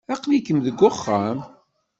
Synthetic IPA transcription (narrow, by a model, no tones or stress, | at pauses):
æqlikəmðəɡʷːʊχːam